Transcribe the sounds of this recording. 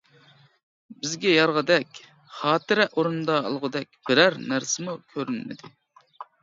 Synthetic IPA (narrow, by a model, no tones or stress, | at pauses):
bɪzɡʲɛjɑɾʁəd̪ɛkʲ | χɑːt̪ɨɾɛʔoɾund̪ɑ̰ːlˠʁʊd̪ɛk̚ʲb̥ɪɾæɾnæɾsɪmukʲʰøɾɪnmɪ̰d̪ɪ